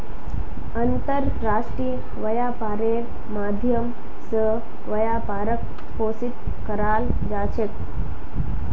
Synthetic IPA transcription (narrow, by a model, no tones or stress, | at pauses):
ənt̪əɾːaʂʈɾiː | ʋəjapaɾeɾ | mad̪ʱjəm | sə | ʋəjapaːɾək | posit̪ | kəɾaːl | d͡ʒat͡ɕʰet̪̚